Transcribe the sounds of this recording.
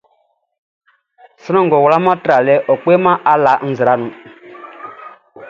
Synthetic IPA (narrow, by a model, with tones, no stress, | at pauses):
sɨ˦nɔ̃˦ŋ˨ɡɔ˨wla˦mã˦tɾa˨lɛ˦ʔɔ˨k͡pe˦mã˦ʔa˦la˨˦n̩˦zɨ˨ɾa˨˦nũ˨